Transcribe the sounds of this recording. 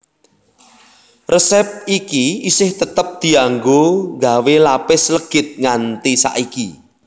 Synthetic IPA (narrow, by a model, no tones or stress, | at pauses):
rəsɛp̚ikiisɪht̪ət̪əp̚d̪̥i̤aŋɡoŋɡa̤welapɪsləɡ̥ɪ̤t̪̚ŋant̪isa̰ʔiki